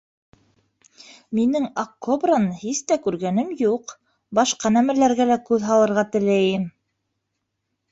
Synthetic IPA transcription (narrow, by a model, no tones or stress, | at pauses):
minɘŋok̚kːobrɤnhist̪ækʉɾɡænɘmjuq | bɑʃqɑnæmælæɾɡælækʉðɦɑlˠɤ̆ɾʁɑt̪ɘ̆læjɘm